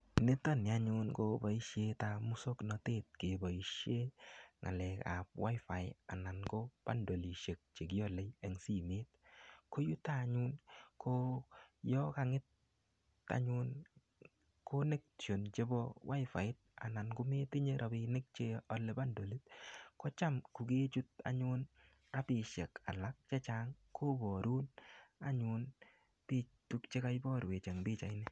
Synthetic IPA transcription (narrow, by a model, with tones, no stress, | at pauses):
ne˦tɔ˦˨ni˨a˦ɲʊ˦nko˦bɔ˨i˦ʃje˦ta˨mu˦so˦knɔ˨te˦˨t̚ke˨bɔ˨i˨ʃje˦ŋa̰˨lɛ˨ka̰˨p̚wa̰˦jfa˨ɪ̰a̰˨na˨nko˦b̥a̰˦ndo˨li˨ʃe˨k̚t͡ʃe˨k̬i˦ɔ˦le˦je˨ŋsi˦meː˦t̚ko˦ju˦ta˦˨ɲu˦nkʰo˦jɔ˦ka˨ŋɪ˦t̚ː | a̰˦ɲu˦n | kʰo˦ne˦k̚t͡ʃo˨nt͡ʃe˦bɔ˦wʔa˦jfa̰˨ɪ˦t̚a̰˨na˨nkʊ˦me˦ti˦ɲe˦ɾʔa˨bɪ˧ne˦k̚t͡ʃe˦ɔ˨lɛ˨ba˦ndo˨li˦t̚kɔ˦t͡ʃa˦mku˨ɡe˦t͡ʃu˦t̚a̰˨ɲʊ˦n | ɾa˦pɪ˨ʃɛ˨ka̰˨la˦k̚t͡ʃɛ˦t͡ʃa˦ŋkʰo˦bɔ˨ɾu˦na˨ɲʊ˧n | pi˦tu˦kt͡ʃe˦ka˦jbɔ˦ɾwe˨t͡ʃe˨ŋbi˦t͡ʃa˨ɪ˦nɛ˦